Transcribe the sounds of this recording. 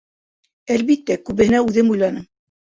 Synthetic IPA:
ælβit̪ːækʉβɘ̆hɘ̆næʉðɘmujlˠɑnɤm

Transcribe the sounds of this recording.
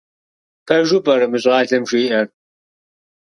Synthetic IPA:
pʰɐʒʊbɐɾɨmɨɕʼʁɑːɬɐmʃiːʔɐr

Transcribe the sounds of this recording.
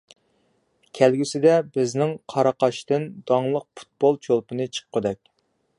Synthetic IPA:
kʲʰɛlɡʲisɪd̪ɛbɪznɪŋqʰɑɾɑqɑʃt̪ɨnd̪̥ɑŋlˠəq̚pʰu̥t̪̚b̥olˠt͡ʃʰolˠpɨnɨt͡ʃʰə̥qʰːəd̪ɛkʲ

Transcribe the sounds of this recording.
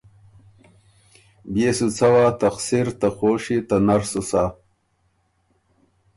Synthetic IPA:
beːsut͡sʰɐwaːt̪ɐxsiɾt̪ɐxoːʂit̪anɐɾsusa

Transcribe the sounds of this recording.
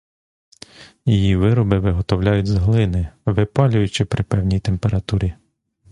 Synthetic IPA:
jijiʋɪɾɔbɪʋɪɦɔt̪ɔwlʲajʊtʲzɦlˠɪnɪʋɪpɑlʲʊjʊt͡ʃɪpɾɪpɛwnʲijt̪empeɾɐt̪uɾʲi

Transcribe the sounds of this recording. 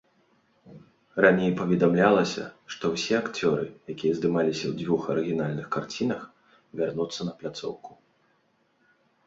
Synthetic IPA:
ranʲejpɐvʲɛd̪amlʲalˠɐsʲɐ̰ʂt̪ɔwsʲɛakt͡sʲɔɾɨ̰jakʲijɐzd̪ɨmalʲisʲɐwd͡zʲvʲuxɐɾɨɣʲinalʲnɨxkart͡sʲinɐx | vʲarnut̪sːɐnɐplʲat̪sɔ̰wku̥

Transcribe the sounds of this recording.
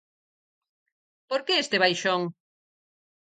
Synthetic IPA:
poɾkeest̪eβ̞ajʃoŋ

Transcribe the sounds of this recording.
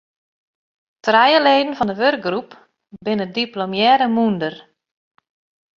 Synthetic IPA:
trɛjəleːdən̩fɔndəʋørk̚ɡrup | bɪnədiplomjɛːɾəmundər

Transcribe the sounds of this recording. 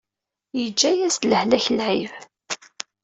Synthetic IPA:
jəd͡ʒːæjæst̪ləhlæçəlʕḭv

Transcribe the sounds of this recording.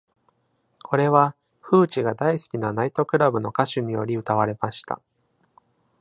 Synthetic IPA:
kʰo̞ɾe̞βa | ɸɯ̟ːt͡ɕiɡad̪aisɨ̥kʲinanait̪o̞kɯ̟ɾabɯ̟no̞kaɕɨmʲijo̞̰ɾʲiɯ̟t̪aβ̞aɾe̞maɕi̥t̪a̰

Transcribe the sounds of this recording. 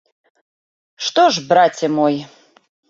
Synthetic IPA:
ʂt̪ɔʐbrat͡sʲɛmɔjɛ

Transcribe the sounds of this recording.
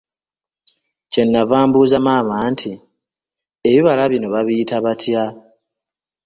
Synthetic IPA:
ce̞nːavaːmbuːzamaːmaːntʰi | eβiβalaβino̞βaβiitaβatʰja

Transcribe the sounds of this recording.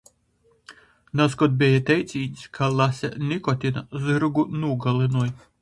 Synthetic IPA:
nɐskɔd̪̚bʲejɛt̪ʲɛjsʲinʲsʲkʰalˠasʲɛ̰nʲɪkɔt̪ʲɪnɐ̰zɨɾɡunuɡɐlˠɪnɔj

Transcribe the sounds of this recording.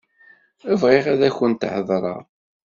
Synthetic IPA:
əvʁɪʁæðæçənt̪ʕəðˤɾˤɑ̰ʁˤ

